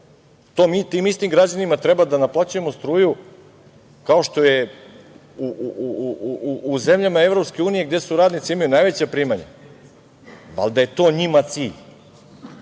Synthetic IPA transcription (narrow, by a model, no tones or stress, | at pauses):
t̪oːmit̪iːmist̪imɡɾad͡ʑanimat̪ɾebad̪anaplˠat͡ɕuje̞most̪ɾuːju | kao̞ʃt̪o̞je | uuuː | zemʎamae̞vɾo̞pske̞uːnije̞ɡd̪e̞suɾaːd̪nit̪siimajonajʋet͡ɕepɾiːmaɲe | da̰ld̪aje̞t̪o̞ːɲimat̪siːʎ